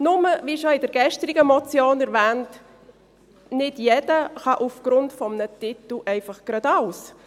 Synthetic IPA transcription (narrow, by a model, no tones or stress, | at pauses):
nʊməviʃɔɪd̥əɾɡ̥ɛʃtɾɪɡəmɔt͡sjoːnɛɾvɛːnt | nɪdjɛdəχɑʔufɡ̥ɾʊntfɔmənətɪtl̩ʔɛɪfɑχɡ̥ɾɑdɑʊs